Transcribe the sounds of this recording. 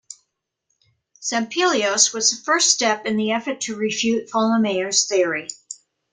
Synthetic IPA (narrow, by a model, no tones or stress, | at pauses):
sæ̃mpʰilˠioʊswʌz̥əfɜ˞ststɛpɨ̃nðiɛfə˞tʰɨɹɨfjʉtfɑlˠəmeɪə˞z̥θɪ˞i